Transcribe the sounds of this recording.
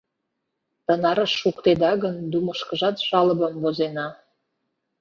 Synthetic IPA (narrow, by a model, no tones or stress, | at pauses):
t̪ə̆nɑɾəʃːukt̪ed̪ɑɣənd̪uməʃkə̆ʒɑt̪ʃɑlə̆bəmvozenɑ